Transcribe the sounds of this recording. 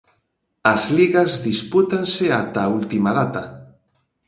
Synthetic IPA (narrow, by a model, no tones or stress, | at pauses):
ɐzliɣazðisput̪anseat̪ault̪imaðat̪a